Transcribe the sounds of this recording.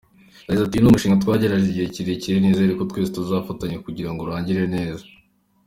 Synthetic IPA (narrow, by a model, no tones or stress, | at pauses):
jaɟizatijunumuʃiːŋɡatwaːɟe̞ɾaʒeɟijeciɾiciɾineːzajaɾikotwe̞ːzutuzaːfataɲekuɟiɾaŋɡoɾaːɲɟiɾe̞ne̞ːza